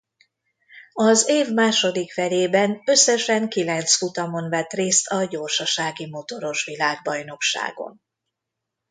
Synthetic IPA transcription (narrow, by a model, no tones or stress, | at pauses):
ɒzeːvmaːʃo̞d̪ikfɛleːbɛnø̞sːɛʃɛŋkilɛnt̪sfut̪ɒmo̞nvɛt̪reːst̪ʰɒɟo̞rʃɒʃaːɡimo̞t̪o̞ɾo̞ʃʋilaːɡ̚bɒjno̞kʃa̰ːɡo̰n